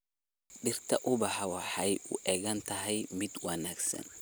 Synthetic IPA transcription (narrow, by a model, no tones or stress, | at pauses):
ɖɪrt̪ʰɐʔʊbɑħɑwɑħɑjʊ̰ʔɛːɣɐnt̪ʰɐɦɛjmɪd̪wɐnaːɡsɐ̰n